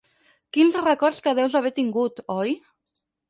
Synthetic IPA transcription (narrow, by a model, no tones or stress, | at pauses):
kinsrəkɔɾskaðɛwzaβɛt̪iŋɡut̪ɔj